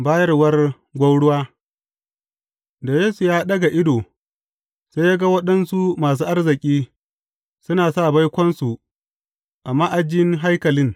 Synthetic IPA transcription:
baː˦jɐ˦rwɐ˦r | ɡʷɐ˦wɽʊ˦waː˦ | da˨jeː˦su˨jaː˦ɗɐ˦ɡa˨ʔɪ˦doː˨ | sa˦jaː˦ɡa˦wɐ˦ɗɐ˦nsu˦maː˨s̬uː˦ʔa˦rzɪ˨kʲʼiː˦ | sʊ˦naː˨saː˦˨ba˦jkʷɔ˦nsu˨ | ʔa˨mːaː˦ʔa˨d͡ʒɪ˦ŋɦa˦jkɐ˨lɪ˦ŋ

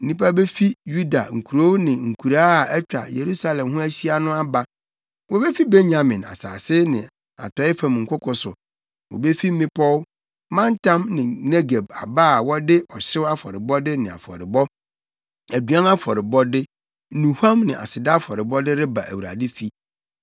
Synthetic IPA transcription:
n̩˦nĩ˦pa˦be˦fi˦ju˦da̰˨ŋ̩˨kʰu˨ɾo˦nɪ̃˨ŋ̩˨kʰu˨ɾaː˦˨ɛ˦t͡ɕᶣa̰˨je˨ɾu˦sa˦lɛ̃˨mɦʊ̃˦æ˦ɕi˦a˦nʊ̃˦a˦ba˦ | wɔ˨be˦fi˦be˦ɲã˨mɪ̃˨na̰˨sa̰ː˨sɪ˦nɪ̃˨ | a̰˨tʰɔ˨˦ɪ˦fã˨mŋ̩˨kʷʰʊ˦kʰɔ˨sʊ˨ | wɔ̰˨be˦fi˦m̩˦mɪ̃˦pʰɔ˦w | mã˦n˦tʰã˦mnɪ̃˨ne˦ɡe˨ba̰˨ba˦˨wɔ˦dɪ˦ʔɔ˨ɕɪ˦wa˦fɔ̰˨ɾɪ˨bɔ˦dɪ˦nɪ̃˨a̰˨fɔ̰˨ɾɪ˨bɔ˦ | æ˨dɥã˦na˦fɔ˨ɾɪ˨bɔ˦dɪ˦ | nũ˨hã˦mnɪ̃˨ʔa̰˨sɪ˨da˦fɔ˨ɾɪ˨bɔ˦dɪ˦ɾɪ˦ba̰˨ʔæ̰˨wu˨ɾa̰˨dɪ˦fi˦

